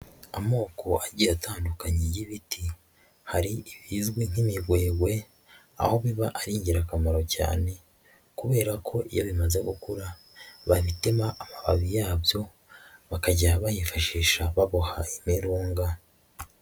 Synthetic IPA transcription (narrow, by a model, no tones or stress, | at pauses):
amo̞ːko̞ʔaɟiɾatʰaːndukaɲejiβitʰi | haɾiiβizɡwin̥imiβweːɡwe̞ | a̰ho̞βiβaʔaɾiːɲɟiɾakamaɾo̞ca̰ːne̞ | kuβe̞ːɾakʰo̞ʔḭjoβimaze̞ɡukuɾa | βaβitimaʔamaβa̰βijaːbjo̞ | βakaɟaaβajifaʃiːʃaβaβohaimiɾuːŋɡa